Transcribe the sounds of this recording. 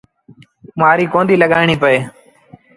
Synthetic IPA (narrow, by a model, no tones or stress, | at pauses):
maːɾiːkõːnd̪iːləɠaːɪɳiːpəeː